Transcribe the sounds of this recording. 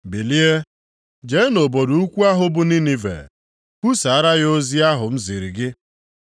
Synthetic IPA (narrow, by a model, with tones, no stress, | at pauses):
bi˨li˦e˦ | d͡ʒe˨˦no˨bo˨du˨u˦kʷu˦a˦ɦʊ˦bʊ˨ni˦ni˨vḛ˨ | ku˦sa˨a˦ɾa˦ɣo˦zi˦a˦ɦʊ˨m̩˦zi˨ɾi˨ɡɪ˦